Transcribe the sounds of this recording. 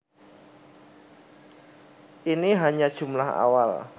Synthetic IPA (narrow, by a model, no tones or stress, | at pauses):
ʔiniɦaɲad̥ʒ̥ṳmlaha̰wal